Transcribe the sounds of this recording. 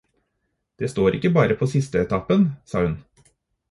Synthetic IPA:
d̪̥eːst̪oːɾʔɪkːəbɑːɾəpʰoːsɪst̪əɛt̪ʰɑpənsɑ̰ːhʉn

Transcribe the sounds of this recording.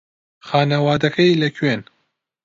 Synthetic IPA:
xaːnɐwaːd̪ɐkʰɐilɐkʰɥeːn

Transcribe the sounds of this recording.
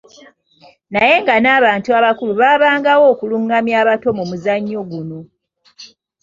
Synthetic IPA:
naje̞ŋɡanaːβaːntuaβakuluβaːβaːŋɡawo̞ːkuluŋɡamjaːβato̞mumuzaɲːo̞ɡuno̞

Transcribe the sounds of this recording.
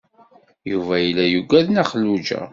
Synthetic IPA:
juvæjilːæjuɡæðnæχəlːud͡ʒæ̰

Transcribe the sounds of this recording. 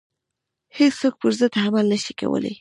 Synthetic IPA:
hesok̚pəɾzəd̪hamalnəʃika̰wə̰la̰j

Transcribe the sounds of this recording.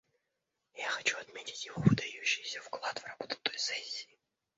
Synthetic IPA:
jaxɐt͡ɕuɐt̪mʲetʲɪ̥tʲjɪvovɨd̪ɐjuɕːɪjsʲəfklˠat̪vrɐbot̪ʊ̥t̪ojsɛsʲːi̥ː

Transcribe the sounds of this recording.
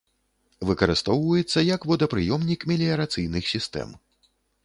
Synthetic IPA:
vɨkɐɾɨst̪ɔwvɐjɛt̪sːɐjɐkvɔd̪ɐpɾɨjɔmnʲikmʲɛlʲiɐɾat̪sɨjnɨxsʲist̪ɛ̰m

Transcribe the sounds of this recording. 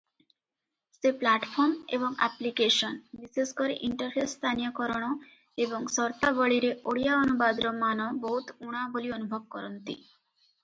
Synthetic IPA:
seplaʈpʰɔɾmebɔŋa̰plikesɔnbiseskɔɾeʔiɳʈɔɾpʰest̪ʰanijɔkɔɾɔɽ̃ɔ | ebɔŋsɔɾt̪abɔɭiɾeʔoɽijaɔnubad̪ɾɔmanɔbɔɦut̪uɽ̃abolionubʱɔb̚kɔɾɔnt̪ḭ

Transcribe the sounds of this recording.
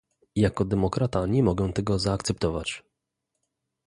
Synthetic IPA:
jakɔd̪ɛmɔkɾat̪aɲɛmɔɡɛ̃t̪ɛɡɔzaːkt̪sɛp̚t̪ɔvat͡ɕ

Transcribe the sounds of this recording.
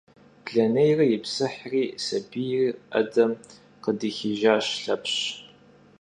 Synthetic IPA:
pʰɮɐnejrɐjɪpsɨħriːsɐbijriːɐ̰dɐm | qədixiʒaːɕɬɐpɕ

